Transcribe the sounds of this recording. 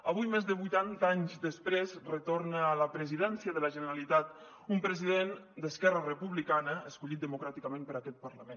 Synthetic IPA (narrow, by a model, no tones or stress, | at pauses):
əβujmezðəβujt̪ant̪aɲzd̪əspɾezrət̪ornəːləpɾəziðɛnsiəðələʒənəɾalit̪at̪ | umpɾəziðen | d̪əskɛrərəpuβlikanəəskuʎit̪̚d̪əmukɾat̪ikəmenpəɾakɛt̪̚pəɾləmen